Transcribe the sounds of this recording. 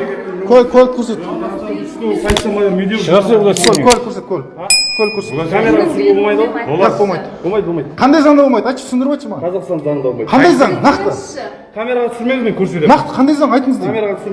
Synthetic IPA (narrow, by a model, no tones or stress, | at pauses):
kʰʲølkʲʰɵlɪp̚kʲʰɵɾse̞t̪ʰst̪ʲesɑj̪ʃɑmɑjɑɾmid̪eʁɑsokʰʲɵlkʲʰɵlɪpkʲʰøɾse̞t̪̚kʲʰɵl | kʲʰɵlɪp̚kʰʲɵɾseameɾat̪sɾolˠmɑjd̪oabo̞lˠmɑjd̪əbolˠmɑjd̪̚bolˠmɑjd̪qʰɑnd̪ɑjzɑɴŋd̪ɑbolˠmɑjd̪ɑjt̪ʃt̪ʰsɪnd̪ɪɾbɑjt̪ʃəmɑʁɑɑzɑqsɑnzɑɴənd̪ɑbolˠmɑjqʰɑnd̪ɑjzɑɴnɑqt̪ə | kʲʰameɾaʁɑt̪ʰʏ̥sɪɾmemzmeŋkʲʰɵɾset̪enɑqt̪ə̥qʰɑnd̪ɑjzɑɴɑjt̪əɴəzd̪eeɾʁɑt̪sɾ